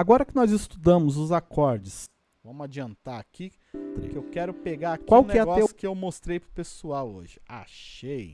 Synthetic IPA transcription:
aɡɔɾɐkɪnɔzɪst̪ud̪ɐ̃mʊzʊzakɔɾd͡ʒɪs | vɐ̃mʊad͡ʒiɐ̃nt̪aɾakḭ | kɪewkɛɾʊpeɡaɾakkwaw̃nk̪ɪaɡɔesʊkɪewmost̪ɾejpɾʊpesuawo̰ʒɪa̰ʃej

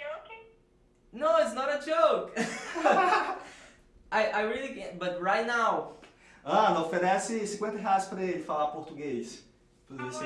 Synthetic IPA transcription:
oke | noʊɪtsnɔɾɐd͡ʒowk | ajʔajɹilˠikɛ̃bɐt̪ɹajt̪naw | ɐ̃nɐ̃ofeɾɛsɪsĩkwẽnt̪ɐɦeajspɾɐelɪfalapoɾt̪uɡejs | pozes

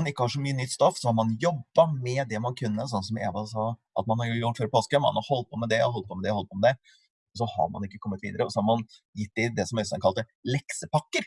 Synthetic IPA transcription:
ɑnɪkːəhɑʂɔmyːənʏt̪ːst̪ɔfsɔhɑɾmɑnjɔbːɑmɛd̪ɛmɑnkʰʉnːəs̬ɔnsɔmḛːʋɑsɔʔɑ̰t̪mɑnhɑɾjʊjuføːɾəpʰoːskəmɑ̰nɑhɔlːt̪̚pʰɔmɛd̪ɛhɔlːt̪̚pʰɔːmɛd̪ɛhɔl̚pʰoɔmɛd̪ɛ | sɔhɑ̰ɾmɑ̰nɪkːəkʰɔmːət̪ʋḭːd̪əɾəɔsɔhɑɾmɑn | jɪt̪̚ːd̪ɪd̪ɛsɔmæst̪ɛnkʰɑlt̪əlɛksəpʰɑkːəɾ

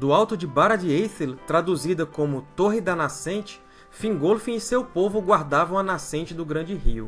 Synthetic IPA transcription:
d̪ʊawt̪ʊd͡ʒɪbaɾɐd͡ʒɪejselt̪ɾad̪uzid̪ɐkõmʊt̪oɦɪd̪ɐnasẽnt͡ʃɪ̥ | fĩɡolfĩisewpovʊɡwaɾd̪avɐ̃w̃ɐnasẽnt͡ʃɪd̪ʊɡɾɐ̃nd͡ʒɪɦiʊ

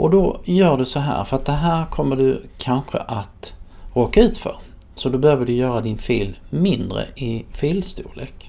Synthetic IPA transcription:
ʔɔd̪ɔjœːɖɵsɔɦæ̰ːɾfœɾat̪̚d̪ɛɦæːɾkʰɔmːəɖɵkʰanɧə̰ʔat̪ɾoːkːaʉ̟ːt̪fœ̰ɾ | sɔd̪ɔbɛhøːvəɖɵjœːɾad̪ɪnfeːlmɪnd̪ɾə̰ʔɪfeːlst̪uːlḛːk

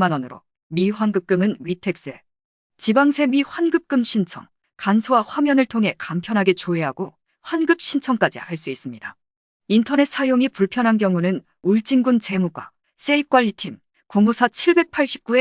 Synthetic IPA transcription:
manʌnɯɾo̰ | miɸwanɡɯp̚k͈ɯmɯnɥitʰe̞k̚s͈ɯe̞̰ | t͡ɕibaŋsʰe̞miɸwanɡɯp̚k͈ɯmɕʰint͡ɕʰʌ̰ŋ | kansʰowaɸwamjʌnɯɭtʰoŋɦe̞kampʰjʌnɦaɡe̞t͡ɕoe̞ɦaɡo | ɸwanɡɯp̚ɕ͈ʰint͡ɕʰʌŋk͈ad͡ʑḭhaɭs͈uis͈ɯmɲida | intʰʌne̞t̚s͈ajoŋipuɭpʰjʌnɦank̬jʌŋunɯn | uɭt͡ɕ͈iŋɡunt͡ɕe̞muɡwa̰ | s͈eik͈waʎːitʰim | koŋusʰat͡ɕʰiɭbe̞k̚pʰaɭɕ͈i̥p̚k͈ue̞

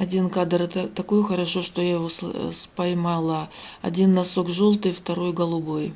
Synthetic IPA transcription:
ɐdʲinkad̪ɾt̪t̪ɐkojʊxɐɾɐʂo̞ʂt̪o̞jajɪvosspɐjmalˠaɐ̰dʲinːɐsokʐolˠt̪ɨjft̪ɐɾo̞jɡəlˠʊbo̞j

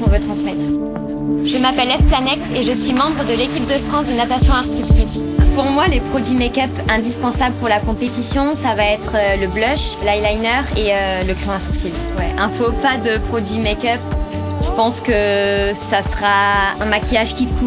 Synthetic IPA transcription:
ɔ̃vøt̪χɑ̃smɛt̪χ | ʒəmapɛlɛfplanɛkseʒəsɥimɑ̃bʁəd̪əlekʲip̚d̪əfχɑ̃sd̪ənat̪asjɔ̃aʁt̪ist̪ik | puʁmwalepχɔd̪ɥimekʲœpɛ̃d̪ispɑ̃sabləpuʁlakɔ̃pet̪isjɔ̃savaɛt̪χøləblœʃlajlajnœʁeøləkχɔ̃ɛ̃suʁsil | wɛʔɛ̃fopad̪əpχɔd̪ɥimakʲœp | ʒ̥əpɑ̃skəsasəʁaɛ̃makʲijaʒkʲiku

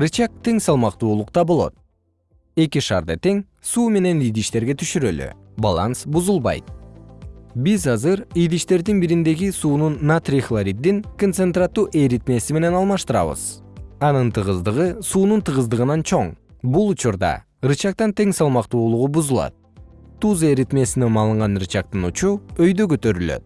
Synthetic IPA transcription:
rɯt͡ʃɑk̚t̪e̞ŋsɑlˠmɑqt̪uːlˠuqt̪ɑbo̞lˠo̞̰t̪̚ | e̞kiʃɑ̰ːɾd̪ɑ̰t̪e̞ŋ | suːme̞ne̞nijd̪iʃt̪e̞ɾɡe̞t̪ʰyʃyɾøly̰ | ba̰lˠɑ̰nsbuzulˠβɑ̰jt̪̚ | bizɑzɯɾijd̪iʃt̪e̞ɾd̪inbiɾind̪e̞ɡisuːnunːat̪rʲixlˠaɾʲid̪ːiŋkont̪sent̪rat̪ːuːʔeɾit̪me̞sime̞ne̞nɑlˠmɑʃt̪ɯɾɑ̰βɯ̰z̥ | ɑnɯnt̪ʰɯʁɯzd̪ɯʁɯsuːnunt̪ʰɯʁɯzd̪ɯʁɯnɑnt͡ʃʰo̞ɴbulˠut͡ʃuɾd̪ɑ̰ | ɾɯt͡ʃɑk̚t̪ɑnt̪e̞ŋsɑlˠmɑqt̪uːlˠuʁubuzulˠɑ̰t̪̚ː | uzeɾit̪me̞sinemɑlˠɯɴʁɑnɾɯt͡ʃɑq̚t̪ɯnut͡ʃuø̞jd̪ø̞køt̪ø̞ɾylø̰t̪̚

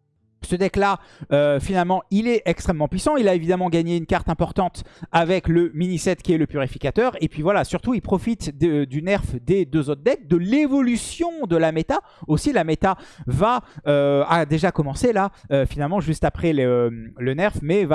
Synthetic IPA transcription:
səd̪ɛklaøfinalmɑ̃ilɛɛkst̪χɛmːɑ̃pɥisɑ̃ilaevid̪amɑ̃ɡaɲeynkaʁt̪ɛ̃pɔʁt̪ɑ̃t̪avɛkləminisɛt̪kʲiɛləpyʁifi̥kʲat̪œʁepɥivwalasyʁt̪uilpχɔfit̪d̪əd̪ynɛʁfd̪ed̪øzot̪χd̪ɛk̚d̪əlevɔlysjɔ̃d̪əlamet̪a | osilamet̪avaøad̪eʒakɔmɑ̃selaøfinalmɑ̃ʒyst̪apχɛlmlənɛʁfmɛva

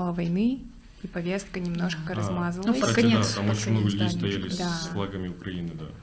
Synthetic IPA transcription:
lˠəvɐjnɨ | ipɐvʲe̞st̪̚kənʲɪmno̞ʂkəɾɐzmazlnuəkɐnʲet̪amot͡ɕɪmnoɡəlʲʉdʲejjst̪ɐjalʲɪsd̪aflˠaɡəmʲɪʊkɾɐinɨd̪a̰

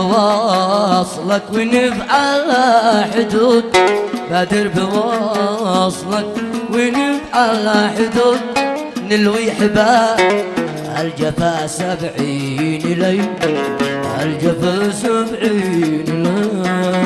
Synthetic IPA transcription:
wɑ | sˤlɑkwinɪfʕalaħʊd̪ud̪̚bad̪ɪɾbɪwɑ | sˤlɑk̚winɪfʕalaħʊd̪uːd̪̚nɪlwiħɪba | ʔald͡ʒafaʔsabʕiː | nɪlaj | ald͡ʒafasabʕiːnla

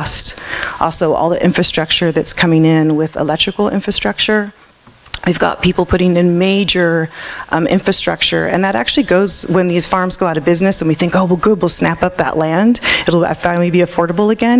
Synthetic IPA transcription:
stʔɔ̰lˠsoʊʔɔ̰lˠðiʔɪ̰̃ɱfɹɨstɹ̥ʌk̚t͡ʃə˞ðɨtskʰʌ̃mɪ̃ŋɪ̃nwɪðə̰lɛk̚tɹ̥ɨkl̩ˠɪ̰̃ɱfɹɨstɹ̥ʌk̚t͡ʃə˞ | wivɡɑ̰t̚pʰipl̩ˠpʰʊɾɪ̃ŋɨ̃nmeɪd͡ʒə˞ | ʔɪ̰̃ɱfɹɨstɹ̥ʌ̰k̚t͡ʃə̰˞ɨ̰̃nðɨɾæ̰k̚t͡ʃʉl̩ˠiɡoʊzwə̃nðiz̥fɑɹmzɡoʊaʊɾɨbɪznɨsɨ̃n̩wiθɪ̃ŋkoʊwɛlˠɡʊd̚wilˠsnæpʌp̚ðə̰ʔlæ̃ndɨɾl̩̰ˠfãɪnl̩ˠibiɨfɔɹɾəbl̩ˠɨɡɛ̃n

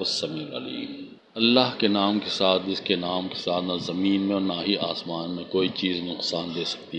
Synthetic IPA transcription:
ɐsɐmɪlɐ̰lḭːm | ɐlːaɦkenaːmkesaːt̪̚ʰd͡ʒɪskenaːmke̥saːt̪ʰnazɐmiːnmẽɔːɾnaːɦiʔaːsmaːnmẽkoːit͡ʃiːznʊqsaːnd̪eːsɐ̥k̚t̪iɛː

